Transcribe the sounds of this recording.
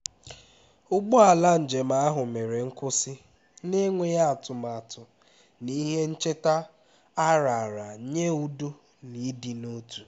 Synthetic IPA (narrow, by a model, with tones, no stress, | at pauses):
ʊ˦ɡ͡bʊ˦a˨la˦n̩˨d͡ʒe˨ma˨˦a˦ɦʊ˨me˨ɾe˨ŋ̩˦kʊ˦sɪ˦ | ne˦ŋʷe˦ja˦a˨tʊ˨ma˨tʰʊ˨ | ni˦ɦe˦n̩˦t͡ʃe˦ta˦ | a˦ɾa˨ɾa˨˦ɲe˦u˦do˦ | ni˨˦di˨no˦tu̥˨